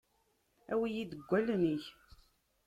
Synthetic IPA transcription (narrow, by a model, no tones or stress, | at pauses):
æwijid̪əɡʷːælniç